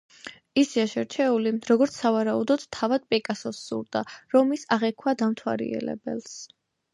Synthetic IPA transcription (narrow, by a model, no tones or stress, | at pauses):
isiaʃɛɾt͡ʃʰɛuliɾɔɡɔɾt̪sʰsavaɾaud̪ɔd̪t̪ʰːavad̪̥pʼɛkʼasɔsːṵɾd̪aɾɔmisaʁɛkʰwad̪amt̪ʰwa̰ɾḭɛ̰lɛ̰bɛ̰ls